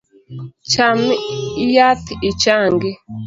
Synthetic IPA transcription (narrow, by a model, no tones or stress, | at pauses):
t͡ʃamiijat̪it͡ʃaːŋɡi